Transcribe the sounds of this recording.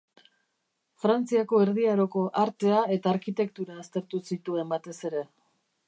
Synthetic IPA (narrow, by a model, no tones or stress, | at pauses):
fɾant͡siako̞e̞ɾðiaɾo̞ko̞ʔaɾt̪e̞ae̞t̪aːɾkit̪e̞kt̪uɾaːst̪e̞ɾt̪usit̪ue̞mbat̪e̞se̞ɾe̞